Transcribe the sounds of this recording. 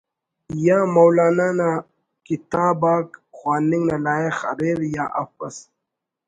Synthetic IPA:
jamowlaːnana | kit̪aːbaːkxwaːniŋɡnalaːexɐ̰ɾeːɾja̰ːʔɐ̰fpɐs

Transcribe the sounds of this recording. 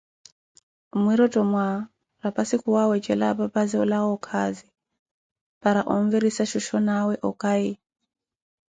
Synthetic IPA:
mwiɾɔtʼɔmwa | ɾapʼasikʰuwawɛt͡ʃɛla̰papazɛɔlaɣɔkʰazi | paɾaʔɔɱvɛɾisaʃɔʃɔnawɛʔɔkʼai

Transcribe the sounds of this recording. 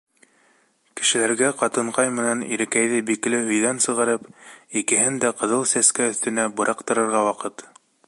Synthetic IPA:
kɘ̥̆ʃɘ̆læɾɡæqɑt̪ɤ̆ɴqɑjmɘ̆nænḭɾɘ̆kæjðɘbiklɘɵ̆jðænsɤ̆ʁɑɾɤpikɘ̆ɦɘnd̪æqɤ̆ðɤlˠsæskæɵ̆θt̪ɘ̆næbɤ̆ɾʔɑqt̪ɤ̆ɾɤ̆ɾʁɑwɑqɤt̪

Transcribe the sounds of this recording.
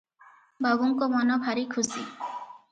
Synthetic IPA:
baɡuŋkɔmɔnɔbʰʱaɾikʰusi

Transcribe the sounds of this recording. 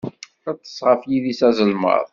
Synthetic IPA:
æt͡s̪ːə̥sːʁəfjiðisæzəlmə̰ɾˤ

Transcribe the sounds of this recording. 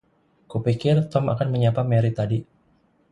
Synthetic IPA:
kupikɪrt̪ɔma̰kanməɲapamɛɾit̪adi

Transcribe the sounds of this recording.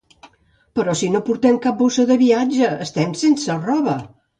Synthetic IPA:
pəɾɔsinopuɾt̪ɛmkap̚bosəðəβiad͡ʒəːst̪ɛmsensərɔβə

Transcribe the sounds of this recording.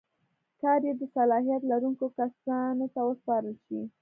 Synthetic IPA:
kɑɾjed̪əsalɑhijat̪laɾuŋkokasɑnot̪awəspɑɾəlʃi

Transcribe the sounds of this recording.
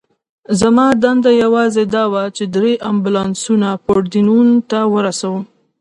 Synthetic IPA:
zamɑd̪and̪ajawɑzed̪ɑwat͡ʃed̪ɾeʔambulɑnsunapoɽd̪inunt̪awəɾasawəm

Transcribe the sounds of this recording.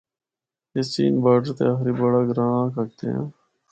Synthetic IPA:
et͡ʃḭːnbaːʈəɾt̪ḛaxɾiːbəɽaːɡɾãːkək̚t̪ḛã̰ː

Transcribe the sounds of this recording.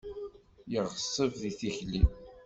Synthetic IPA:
jəʁəsˤːəvðiθiçlim

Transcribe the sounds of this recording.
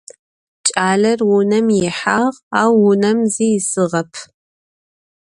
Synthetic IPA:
t͡ʃʼaːɮɐrwʊnɐmjɪħaːʁaːwːʊnɐmziːjɪsɨʁɐpʰ

